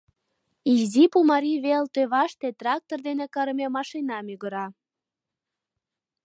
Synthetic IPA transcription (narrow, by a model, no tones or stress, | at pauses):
izipumɑɾiβelt̪øβɑʃt̪et̪rɑk̚t̪ord̪enekɑɾəmemɑʃenɑmyɣə̆ɾɑ